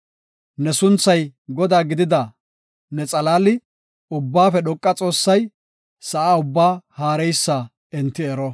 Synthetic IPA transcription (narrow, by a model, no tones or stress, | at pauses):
nɛsʊnt͡sːɐjɡɔd̪aːɡɪd̪ɪd̪ɐ | nɛt͡sʼɐlaːlɪ | ʊbːaːfɛɗɔkʼːɐt͡sʼo̞ːsːɐj | sɐʔaːʊbːaːhaːɾɛjsːa | ɛnt̪ːɪɛɾɔ